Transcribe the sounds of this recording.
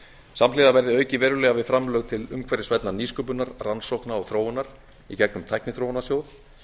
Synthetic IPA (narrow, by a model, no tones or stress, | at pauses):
samlɪːðavɛɾðɪœːɥcɪvɛːɾʏlɛːɣavɪðfɾamlœːɣt̪ʰɪlʏmkʰvɛɾɪsvɛt̪naɾniːskʏp̬ʏnaɾransowhknaɔɣθɾoːwʏnaɾ̥ | icɛknʏmt̪ʰajknɪθɾowanasjoːwθ